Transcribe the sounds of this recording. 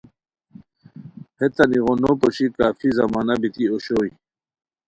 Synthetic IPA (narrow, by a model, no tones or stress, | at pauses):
het̪ɐniɣonopɔɕikaːfizɐmaːnabit̪ioɕoːi